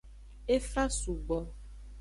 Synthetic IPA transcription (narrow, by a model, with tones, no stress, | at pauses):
e˦fa˦su˨ɡ͡bɔ˨